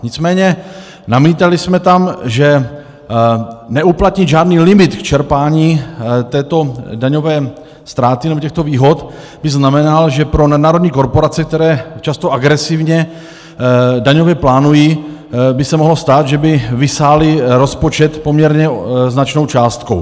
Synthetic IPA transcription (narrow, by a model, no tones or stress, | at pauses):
ɲɪt͡smɛːɲɛ | namiːt̪alɪsmɛt̪amʒɛ | nɛuplat̪ɲɪd̪ʒaːdniːlɪmɪt̪kt͡ʃɛɾpaːɲiːt̪ɛːt̪o̞daɲo̞vɛː | st̪ɾaːt̪ɪnɛbocɛxt̪o̞viːɦo̞t̪ | bɪznamɛnalʒɛpɾo̞nadnaːɾodɲiːko̞ɾpo̞ɾat͡sɛk̚t̪ɛɾɛːt͡ʃast̪oʔaɡɾɛsɪvɲɛ | daɲo̞vjɛplaːnujiː | bɪsɛmoɦlost̪aːd̪ʒɛbɪvɪsaːlɪɾo̞spo̞t͡ʃɛt̪po̞mɲɛɾɲɛznat͡ʃno̞wt͡ʃaːst̪kow